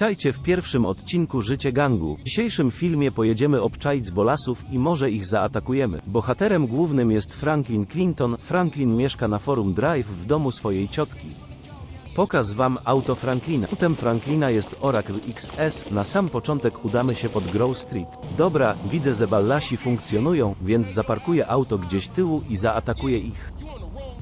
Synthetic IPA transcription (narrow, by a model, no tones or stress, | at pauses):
t̪ajt͡ɕɛfpʲjɛɾfʂɘmɔt̪t͡ɕinkuʐɘt͡ɕɛɡaŋɡṵd͡ʑiɕejʂɘmfʲilmʲjɛpɔjɛd͡ʑɛmɘɔpt͡ʂajd̪zbɔlasufimɔʐɛiɣzaːt̪akujɛmɘ̰bɔxat̪ɛɾɛmɡwuvnɘmjɛst̪fɾaŋklʲinklʲint̪ɔnfɾaŋklʲinmʲjɛʂkanafɔɾumd̪ɾajfːd̪ɔmusfɔjejt͡ɕɔt̪kʲi | pɔkazvamawt̪ɔfɾaŋklʲinat̪ɛmfɾaŋklʲinajɛst̪ɔɾakliksɛsnasampɔt͡ʂɔnt̪ɛkud̪amɘɕɛpɔd̪ɡɾɔwst̪ɾʲit̪d̪ɔbɾavʲidzɛzɛbalːaɕifuŋkt̪sʲjɔnujɔ̃w̃vʲjɛnd̪zzapaɾkujɛʔawt̪ɔɡd͡ʑeɕt̪ɘwuʔizaat̪akujɛʔix